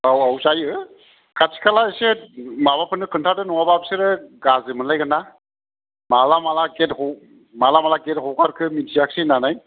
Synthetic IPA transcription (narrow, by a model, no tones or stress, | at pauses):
awawsajɯ | kʰatʰi̥kʰalaesemaβapʰɯnɯkʰɯntʰadɯnɔwababseɾɯɡazɯmɯnlajɡɯna | malamalaɡethɔ | malamalaɡet̚hɔwkʰaɾkʰɯmintʰijak̚sinanaj